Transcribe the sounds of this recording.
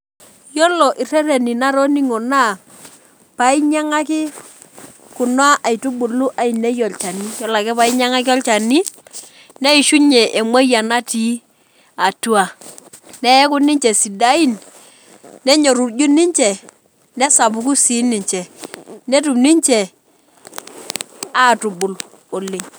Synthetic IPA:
jɔ˦lɔ˨ʔi˨ɾe˦ɾe˨ni˨na˦ɾo˦ni˦ŋo˨na˦˨ | pa˨i˦ɲa˦ŋa˦kɪ˦ | kʊ˨nwa˦ʔa˨i˨tu˦bu˨lu˦ʔa˨i˨ne˦jo˨lt͡ʃa˨ni˦jɔ˦la˨kɛ˦pa˨i˦ɲa˦ŋa˦kɪ˦ɔ˦lt͡ʃa˨ni˦ | ne˦i˨ʃu˦ɲɛ˨ʔe˨ŋwo˦ja˨na˦ti˦ | a˨tu˦a˨ | nɛ˦ɛ˦kʊ˦nɪ˦ɲt͡ʃɛ˨si˨da˦i˦n | nɛ˦ɲo˨ɾu˨d͡ʒu˦nɪ˦ɲt͡ʃɛ˨ | nɛ˦sa˨bu˨ku˦si˨˦nːi˨ɲt͡ʃɛ˨ne˦tu˨bni˦ɲt͡ʃɛ˨ | a˦˨tu˨bʊ˨l | o˨lːe˨ɲ

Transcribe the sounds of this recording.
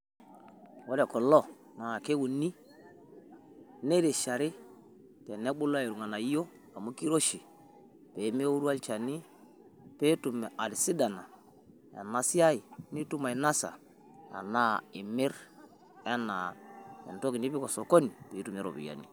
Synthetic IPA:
wɔ˦ɾɛ˨kɔ˨lɔ˦˨ | na˨ke˦wu˨ni˦˨ | ne˦ɾe˨ʃa˨ɾɪ˦ | tɛ˨nɛ˦ɓu˦le˨ɾu˨ŋa˨na˨i˦jo˦ | a˨mu˦ki˦ɾo˦ʃi˨ | pe˨˦me˦u˦ɾu˦a˦lt͡ʃa˨ni˦ | pe˦tu˨mɛ˨a˨li˨si˦da˨na˨ | a̰˨na˨si˦a˦i˨ni˦tu˦ma˨i˨na˦sa̰˨ | a̰˨na˦ɪ˨mɪ˦ɾ | ɛ˦na˨ɛ̰˨nto˦ki˨ni˦bi˦kɔ˨sɔ˨ko˦ni˨pe˨i˦tu˨mɛ˦ɾo̰˨bḭ˨ja̰˨nḭ˨

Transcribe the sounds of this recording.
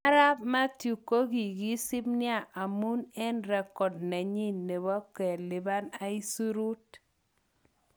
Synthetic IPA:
a˦ɾa˦pma˦tju˨ko˦ɡi˨ɡi˦sɪ˦bnɪ˦a˦˨ʔa˨mu˦nɛ˦nɾɛ˨kɔ˨tna˨ɲi˦nːe˨ba˦kɛ˨lɪ˨ba˦na˦i˦su˦ɾu˦t̚

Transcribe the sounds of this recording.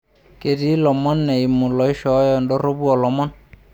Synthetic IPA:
ke˨di˦lɔ˨mɔ˦nːɛ˨i˨mu˨lɔ˨i˦ʃɔ˨˦jɔ˨ndɔ˦ɾo˦bu˦ɔ˨lɔ˨mɔ˦n

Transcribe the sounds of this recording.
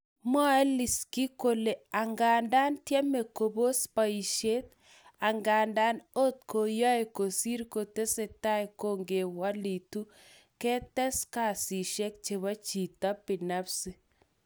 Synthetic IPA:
mɔ˦ɛ˦li˨ski˦ko˦le˨a˨ŋɡa˨nda˦ntjɛ˦me˨ko˨bo˦spa˨i˨ʃe˦t̪̚ | a˨ŋɡa˨nda˦no˦t̚ko˨jɔ˦e˨ko˨si˦ɾko˨te˦se˨ta˦e˨ko˦ŋɡe˨wa˦li˨tu˦ | kɛ˦tɛ˦ska˨si˨ʃɛ˦k̚t͡ʃe˨βa˦t͡ʃi˨ta˦pi˨na˦psi˦

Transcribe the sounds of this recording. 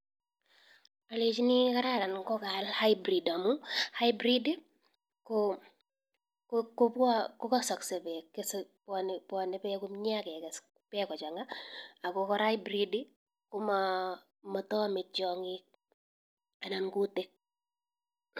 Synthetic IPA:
a˨le˨t͡ʃi˦ni˦ka˦ɾaɾa˨nkɔ˦ka˨lha˦jbɾi˨da˨muha˦jbɾi˦d | ko | kko˦pa˦kɔ˦kɔ˦sɔ˨ksɛ˨pɛ˨kːespɔnpɔ˨nɛ˦pɛku˦mɲ˦a˦kɛ˨kɛ˨s | pɛ˦kɔ˨t͡ʃa˨ŋaa˨kɔkɔ˦ɾa˦jbɾidi | kʊ˦ma | mɔ˨tɔ˦mɪ˨t͡ʃɔ˨ŋɪ | a˨na˨mku˦te

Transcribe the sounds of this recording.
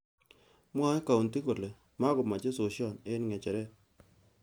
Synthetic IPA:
mwa˦ka˨u˨nt̪i˦ko˨le˨ | ma˦ɡʊ˨ma˨d͡ʒe˦so˨ʃjɔ˦˨nɪ˦nŋɛ˨t͡ʃɛ˨ɾɛ˦

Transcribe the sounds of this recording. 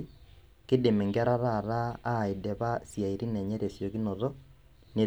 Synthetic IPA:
ke˦de˨mɛ˨ŋɡɛ˦ɾa˦ɾa˦˨ɾaː˦˨e˨dɛ˨βa˦sja˨i˨ɾi˦nɛ˨ɲɛ˦ɾe˨sjo˨ki˦nɔ˨ðɔ˦ | ne˨

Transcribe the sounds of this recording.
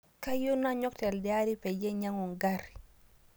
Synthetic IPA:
ka˦jo˦na˦ɲɔ˦ktɛ˨ldɛ˨a˦ɾi˦pɛ˨d͡ʒe˦ɲa˦ŋɔ˨ŋɡa˦ɾ

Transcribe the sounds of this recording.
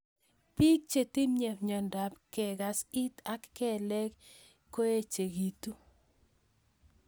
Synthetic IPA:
pi˦k̚t͡ʃe˨ti˦mɲɛ˨pɲɔ˨nda˨pkɛ˨ɡa˨si˦t̪a˦kːɛ˦˨lɛ˦k | kːo˦e˦t͡ʃe˨ɡi˨tu˦

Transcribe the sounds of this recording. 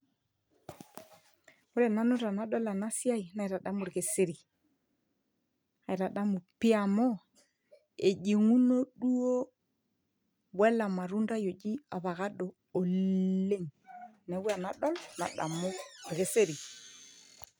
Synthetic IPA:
o˦ɾɛ˨na˦nu˦ɾa˨na˨˦ɗɔ˦la˨na˦si˦a˦i˨na˨i˨ɾa˨ɗa˦mu˨ɾɣe˨se˦ɾi˨ | a˨i˨ɾa˨ɗa˦mu˨pi˦a˨mɔ˦ | e˨ʄi˨ŋu˦no˦ɗu˦o˦ | wɛ˦la˨ma˨ɾu˦nda˦jo˨d͡ʒi˦a˨βa˨ɣa˦ɗoː˨e˦ŋnɛ˨˦wi˦a˨na˨ɗɔ˦lna̰˨ɗa̰˨mo˦ɾɣe˨se˦ɾi˨

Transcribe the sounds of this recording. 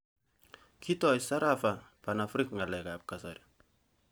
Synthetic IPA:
kʰi˦tɔ˨jsa˦ɾafa˨pa˨nafɾikŋa˨lɛ˨kap̚kasa̰ɾ

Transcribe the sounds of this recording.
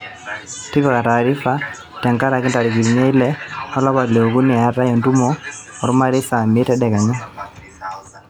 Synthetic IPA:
ti˦kɔ˨ka˨taː˨ɾi˦fa˦ | tɛ˨ŋka˦ɾa˨kɪ˦nta˨ɾi˨ɡi˨ɾi˨ɲɛ˦i˦lɛ˦ɔ˦lɔ˦βa˨le˨o˨ku˦nɛ˨a˨ta˦jɔ˨ntu˦mɔ | ɔ˨ɾʊ˦ma˦ɾi˦fa˨mɪ˦tɛ˦ɗɛ˨ka˨ɲɔ˦

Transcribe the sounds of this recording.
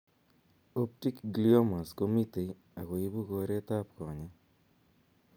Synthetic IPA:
o˦p̚ti˦kɡlio˦ma˨sko˦mi˦te˨j | a˨ɣo˨i˦bu˦ko˧ɾe˦ta˦p̚kɔ˨ɲɛ˦

